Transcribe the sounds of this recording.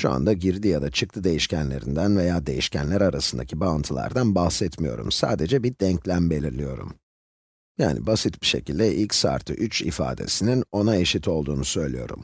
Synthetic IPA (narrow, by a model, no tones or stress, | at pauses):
ʃua̰nd̪aɟiɾd̪ijad̪at͡ʃʰɯk̚t̪ʰɯd̪e̞jiʃcænlʲe̞̰ɾḭnd̪ænve̞jaːd̪e̞̰jiʃcænlʲæɾaɾasɯnd̪acʰibaɯnt̪ʰɯlˠa̰ɾd̪anbahsɛt̪mijo̞ɾṵmsa̰ːd̪e̞d͡ʒɛbid̪̥ɛɲclʲænbe̞lʲiɾlʲijo̞ɾṵm | ja̰ːnʔḭbasɯt̪biʃe̞cilʲd̪ɛʔilʲcsa̰ːɾt̪ʰɯ̰ʔyt͡ʃḭfa̰ːd̪e̞̰sinino̞nae̞ʃit̪ʰo̞lˠd̪uːnusø̞jlʲijo̞ɾṵm